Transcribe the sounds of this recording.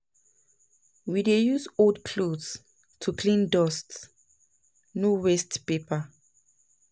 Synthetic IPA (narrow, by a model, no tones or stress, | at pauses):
widejusodkʰlods | tʰukʰlĩndɔsts | nuwɛstpepa